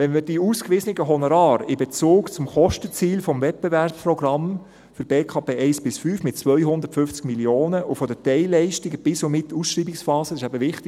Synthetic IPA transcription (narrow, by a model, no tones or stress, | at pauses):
ʋɛnmədiuːskʋɪsənɪɡəɦɔnoɾɑːɾɪbet͡suːkt͡sʊmχɔʃtət͡siːlfɔmvɛt̚b̥eværpprɔɡrɾɑm | fʏɾb̥eːkʰɑːbeːʔɛɪsb̥ɪsfyːfmɪt̚t͡sʋœjɦʊnd̪əɾtfʏft͡skmiljoːnəʔʊfɔd̪ətɛɪlɛɪʃtɪɡəb̥ɪsomɪtːuːsʃriːbiksfɑːsəɪʃæbəʋɪχtɪ